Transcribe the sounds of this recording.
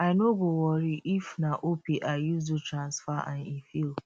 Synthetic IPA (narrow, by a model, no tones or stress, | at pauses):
aɪnoɡowɔɾiʔifnaʔopiʔajuzdutɾãnsfaʔã̰nifil